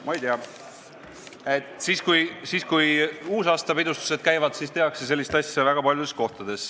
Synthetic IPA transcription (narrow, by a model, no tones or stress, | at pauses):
mɑjt̪eɑ | e̞t̪ˑsiːskujsiːskujuːsɑːst̪ɑpid̪ust̪u̥se̞d̪̥̚kæjvɑd̪̥siːst̪e̞ɑkse̞s̬e̞lʲːist̪ɑsʲjɑvæɡ̥ɑpɑljud̥̪e̞sko̞ht̪ɑd̪̥e̞s